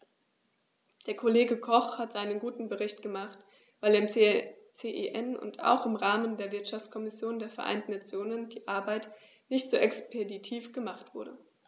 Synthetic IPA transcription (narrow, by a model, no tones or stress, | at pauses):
d̥eːɐkʰoleːɡəkʰɔχhatz̥aɪnənɡuːtn̩bəʁɪçtɡ̥əmaχt | v̥aɪleɐɪm | t͡seʔḛʔɛnʊ̰nta̰ʊxɪmʁaːməndeːɐvɪɐtʃaft͡skʰɔmɪsjoːndeːɐfɛɐʔa̰ɪntn̩nat͡sjoːnənd̥iːʔaɐbaɪt | nɪçtz̥oːʔɛkspʰeditʰiːfɡ̥əmaχtv̥ʊɐɾə